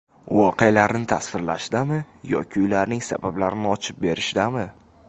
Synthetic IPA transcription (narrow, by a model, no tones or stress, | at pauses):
wɒqealaɾɪnɪt̪ʰasvɪɾla̰ʃd̪amɪ | jɒ̰kʲʰɪʊjlaɾnɪŋsa̰bablaɾɪnɪɒt͡ʃʰɪp̚be̞ɾɪʃd̪amɪ